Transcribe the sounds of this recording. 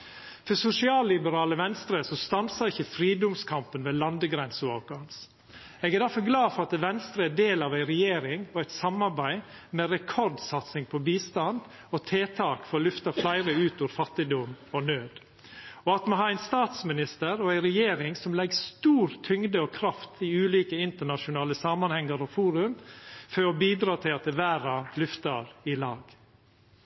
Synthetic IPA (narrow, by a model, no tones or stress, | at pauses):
fɔsʊsɪɑːlːɪbəɾɑːləʋɛnst̪ɾəsɔst̪ɑnsəɾɪçəfɾiːd̪ʊmskʰɑmpənʋeːlɑnd̪əɡɾɛnsʊɑʋɡɑns | ɛɡɛd̪æɾfɔɾɡlɑːfɔɾɑt̪ʋɛnst̪ɾəɛd̪eːlɑʋæɪɾɛjeːɾɪŋɔæɪt̪sɑmɑɾbæɪ | meɾɛkʰɔɾd̪sɑt̪sɪŋpʰɔbiːst̪ɑnd̪ | ɔt̪ʰeːt̪ʰɑːkfɔɾɔlʏft̪ɑflæɪɾəʉːt̪ʊʋɾfɑt̪ːɪd̪ʊmɔnøːd̪ | ɔɑt̪moɦɑːæɪnst̪ɑːt̪smɪnɪst̪əɾɔæɪɾɛjeːɾɪŋsɔmlɛɡst̪uːɾt̪ʰʏŋd̪əɔkʰɾɑft̪iʉːliːkəɪnt̪əɳɑʃʊnɑːləsɑːmɑnhɛŋːəɾɔfuːɾʉmføːɔbiːd̪ɾɑːt̪ʰɪlɑt̪̚d̪ɛʋæːɾɑlʉft̪ɑɾɪlɑ̰ːɡ